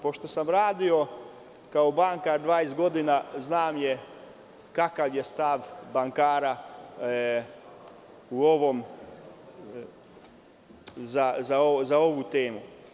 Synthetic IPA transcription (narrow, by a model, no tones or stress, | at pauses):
po̞ʃt̪o̞samɾaːd̪io̞ | kaobaŋkaɾd̪ʋaːest̪ɡo̞d̪inaznaːmje | kakaʋjest̪aʋbaŋkaːɾa | uoʋo̞m | zazaozao̞ʋut̪eːmu